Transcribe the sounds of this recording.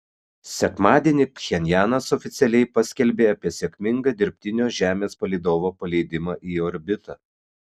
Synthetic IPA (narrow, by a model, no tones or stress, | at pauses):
sʲɛkmɑːd̪ʲiɛnʲɪxʲɛnʲjæːnɐsɔfʲɪt̪sʲɛlʲɛɪpɐsʲkʲɛlʲbʲeːɐpʲiɛsʲɛkʲmʲɪŋɡɐːd̪ʲɪɾʲpʲt̪ʲɪnʲoːʒʲæːmʲeːspɐlʲiɪd̪oːʋoːpɐlʲɛɪd̪ʲɪmɑʔiːɔɾʲbʲɪt̪ɐː